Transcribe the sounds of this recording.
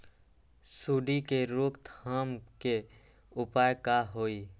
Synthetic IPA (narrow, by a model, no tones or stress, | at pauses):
suːɖikeɾoːkt̪ʰaːmke | ʊpaːjkaɦoːi